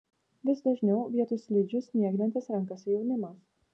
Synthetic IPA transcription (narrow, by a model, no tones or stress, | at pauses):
ʋʲɪsd̪ɐʒʲnʲɛʊʋʲiɛt̪ʊsʲlʲiːd͡ʒʲʊsnʲiɛɡʲnʲɛnʲt̪ʲɪsɾɐŋkɐsʲʊjɛʊnʲɪmɐs